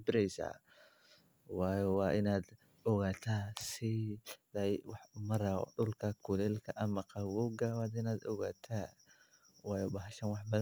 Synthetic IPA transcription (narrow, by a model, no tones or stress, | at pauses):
bɪɾɛjsa̰ | wɑːjɔwɑːʔɪnaːd̪ | ɔɣaːt̪ʰasɪlɐwɑħmɐɾɐɔ̰ɖʊlkʰɐkʰulɛlkʰɐʔɐmɐqʰɑwɔɡawaːd̪ɪnaːd̪ɔ̰ɣaːt̪ʰa | wɑːjɔbɐɦɐʃɐnwɑħbɐ